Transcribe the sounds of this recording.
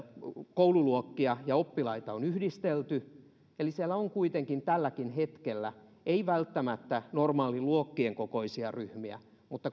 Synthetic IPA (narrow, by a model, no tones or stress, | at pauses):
koululuokːiɑjɑopːilɑit̪ɑonyhdist̪elt̪y | elisiælːæoŋkuit̪eŋkint̪ælːækinɦet̪kelːæ | eiʋælt̪ːæmæt̪ːænormɑːliluokːieŋkokoisiɑryhmiæ̰ | mut̪ːɑ